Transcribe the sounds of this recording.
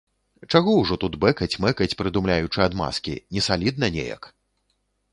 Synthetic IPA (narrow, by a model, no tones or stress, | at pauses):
t͡ʂaɣɔwʐɔt̪ut̪bɛkɐt͡sʲmɛkɐt͡sʲpɾɨd̪umlʲajut͡ʂɨad̪ma̰skʲḭnʲɛsalʲid̪̚nɐnʲḛjɐ̰k